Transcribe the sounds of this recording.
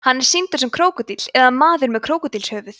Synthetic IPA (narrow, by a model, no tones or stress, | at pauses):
hanːɛɾ̥sint̪ʏɾ̥sɛmkʰɾoːwkʏt̪it̪l̥ɛðamaːðʏɾmɛðkʰɾoːwkʏt̪ilshœːvʏθ